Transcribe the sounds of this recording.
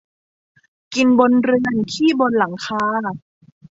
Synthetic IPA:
ki˧nbo˧nɾɯ˧ənkʰiː˥˩bo˧nla˩˦ŋkʰaː˧

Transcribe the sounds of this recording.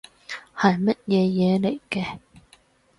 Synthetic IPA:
hɐ˨jmɐ˥t̚jɛː˨˧jɛː˨˧le˨˩jkɛː˧

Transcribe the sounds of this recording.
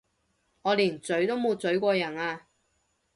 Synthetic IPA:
ŋɔː˨˧liː˨˩nt͡sɵ˨˥ɥt̪o˥wmo˨˧t͡sɵ˨˥ɥkʷɔː˧jɐ˨˩naː˧

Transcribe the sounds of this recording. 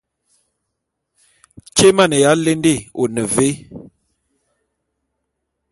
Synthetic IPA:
t͡ʃe˦ma˦˨nə˨ja˨˦le˦nde˦˨o˨nə˨ve˦

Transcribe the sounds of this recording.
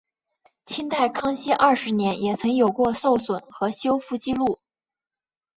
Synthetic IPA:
t͡ɕʰi˥nt̪a˥˩ɪkʰɑ˥ŋɕɛ˥ʔɐ˥˩ʂɻ̩˧˥njɛ˧˥njɛ˨˩t͡sʰɤ˧˥ŋjo˨˩ʊkwɔ˥˧so˥˩ʊswə˨˩nxɤ˧˥ɕjo˥ʊfu˥˩t͡ɕi˥lu˥˩

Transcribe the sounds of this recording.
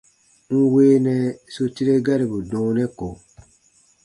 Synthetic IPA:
ŋ̩˦weː˦nɛ˦˨so˦ti˦ɾe˦ɡa˦ɾi˨bu˨dɔ̃ː˦nɛ˦ko˨

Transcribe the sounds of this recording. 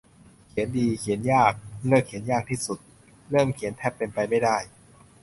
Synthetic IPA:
kʰi˩˦əndiː˧kʰi˨˩˦ənjaː˥˩k̚lɤː˥˩kʰːi˨˩˦ənjaː˥˩k̚t̪ʰiː˥˩su˨˩t̪̚ | ɾɤː˥˩mkʰi˨˩˦ənt̪ʰɛː˥˩pːe˧npa˧jma˥˩jdaː˥˩j

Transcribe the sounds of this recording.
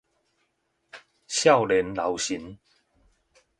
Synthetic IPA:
ɕja˥˧˨wle˨˦nla˨˦wɕi˨˦n

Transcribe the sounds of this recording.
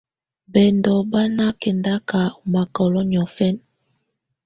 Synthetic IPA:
bɛ˨ndɔ˨ba˦na˦kɛ˨nda˦ka˨ma˨kɔ˨lɔ˦ɲɔ˨fɛ˦n

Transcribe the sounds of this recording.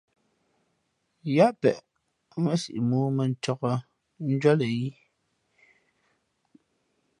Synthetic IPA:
ja˦ʔpɛ̰˨ʔ | mɛ˦sḭ˨ʔi˨muː˦mɛ˨n̩˨tɔ˨ɣɔ˨ | n̩˦d͡ʒwɔ˦lɛ˨ji˦

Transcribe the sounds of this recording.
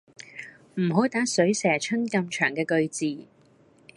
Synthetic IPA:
m̩˨˩ɦo˨˥wt̪aː˨˥sɵ˨˥ɥsɛː˨˩t͡ʃʰɵ˥nkɐ˧mt͡ʃʰœː˨˩ŋkɛː˧kɵ˧ɥt͡siː˨

